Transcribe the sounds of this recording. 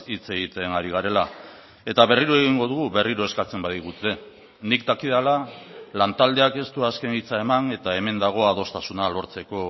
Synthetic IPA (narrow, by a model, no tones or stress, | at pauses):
it͡se̞ɣ̞it̪e̞naɾiɣaɾe̞la | e̞t̪aβe̞riɾoe̞ɣ̞iŋɡo̞ð̞uɣuβe̞riɾoe̞skat͡se̞mbaðiɣut̪e̞ | nik̚t̪akið̞alalant̪ald̪e̞ake̞st̪uaske̞nit͡sae̞mane̞t̪ae̞me̞nd̪aɣ̞o̞að̞o̞st̪asunalo̞ɾt͡se̞ko̞